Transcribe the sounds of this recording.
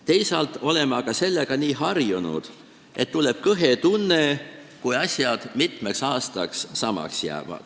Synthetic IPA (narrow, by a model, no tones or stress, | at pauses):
t̪e̞jsɑlt̪ːˑo̞le̞meɑkɑse̞lːeɡ̥ɑniːɦɑrjunṵd̪̥ | ʔe̞t̪ːule̞b̥̚kɤɦe̞t̪unːe̞ | kujɑsʲjɑd̪̥mit̪ˑme̞ksɑːst̪ɑksːɑmɑ̰ksjæ̰ːvɑ̰d̪̥